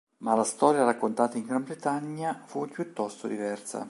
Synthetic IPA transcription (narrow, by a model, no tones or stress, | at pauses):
malast̪ɔːɾjaɾakːont̪aːt̪aiŋɡɾambɾet̪aɲːafupjut̪ːɔst̪od̪ivɛrsa̰